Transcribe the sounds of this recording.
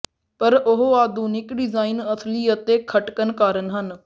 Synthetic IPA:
pəɾʊɦoaːd̪ʱuːnɪkɖɪzaːinəsʰliːət̪eːkʰəʈkənkaːɾənɦən

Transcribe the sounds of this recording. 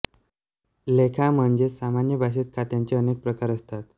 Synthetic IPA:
lekʰam̤əɳd͡ʑesamanjəbʱaɕ̬et̪kʰat̪jãɲt͡ɕeənek̚pɾəkaɾəst̪at̪

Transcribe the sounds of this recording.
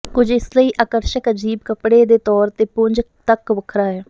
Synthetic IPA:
kʊd͡ʒɪsləiːʔaːkəɾʃəkəd͡ʒiːbkəpɽeːd̪eːt̪ɔːɾt̪eːpʊnd͡ʒkt̪əkʋəkʰɾaːɦɛː

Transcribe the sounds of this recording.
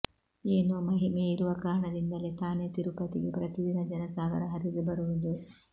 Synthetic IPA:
eːnoːmɐɦimeiɾuʋɐkaːɾɐɳɐd̪ind̪ɐlet̪aːnet̪iɾupɐt̪iɡepɾɐt̪id̪inɐd͡ʒɐnɐsaːɡɐɾɐɦɐɾid̪ubɐɾuʋud̪u

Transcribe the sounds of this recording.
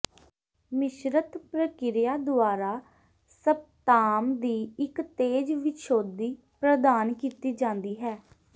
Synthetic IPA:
mɪʃɾət̪pɾəkɪɾɪjaːd̪ʊaːɾaː | səb̚t̪aːmd̪iːɪkt̪eːd͡ʒʋɪʃoːd̪iː | pɾəd̪aːnkiːt̪iːd͡ʒãːnd̪iːɦɛː

